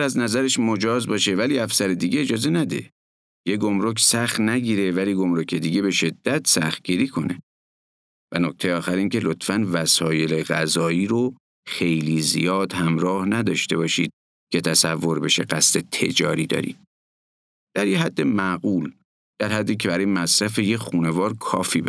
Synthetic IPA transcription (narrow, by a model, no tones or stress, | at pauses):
æznæzæɾeʃmo̞d͡ʒɒːzbɒːʃe̞væliːæfsæɾed̪iːɟeːd͡ʒɒːze̞næd̪e̞̰ | jeɡo̞mɾokʰsæxt̪næɟiːɾe̞væliːɡo̞mɾo̞cʰe̞d̪iːɟe̞be̞ʃe̞d̪̥ːæt̪ʰsæxt̪̚ɡ̥iːɾiːkʰo̞ne̞̰ | vænok̚t̪e̞jeɒːxæɾiːŋcʰe̞lot̪fænvæsɒːje̞le̞ɣæzɒːiːɾo | xe̞jliːzḭjɒːd̪hæmɾɒːhnæd̪ɒːʃt̪e̞bɒːʃiːd̪̥̚ | cʰe̞t̪ʰæsævːoɾbe̞ʃeɡæst̪e̞t̪ʰe̞̰d͡ʒɒːɾiːd̪ɒ̰ːɾḭːd̪̥̚ | d̪̥æɾjeɦæd̪ːe̞mæɡuːl | d̪̥æɾhæd̪ːiːcʰe̞bæɾɒːjemæsɾæfe̞jexuːne̞vɒːɾkʰɒ̰ːfiːbe